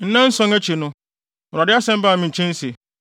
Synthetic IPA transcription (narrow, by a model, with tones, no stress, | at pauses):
n̩˦nã˦n̩˦sɔ̃˦ŋæ˦t͡ɕʰe˨nʊ̃˦ | ʊ˨ɾa˨dɪ˦a˦sɛ̃˦m˦ba˦˨mĩ˨t͡ɕʰɛ̃˦n̩˦se˨